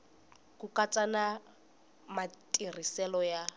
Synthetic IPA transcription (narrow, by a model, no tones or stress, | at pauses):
kukat͡sʼana | matʼir̤isɛlɔja